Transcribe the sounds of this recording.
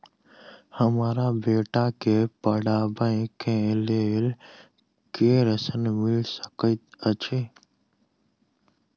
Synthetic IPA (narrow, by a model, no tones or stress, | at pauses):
həmaːɾabeːʈakeːpəɽaːbəẽkẽːlel | keːɾəsənmɪlsə̥kət̪ət͡ʃʰeː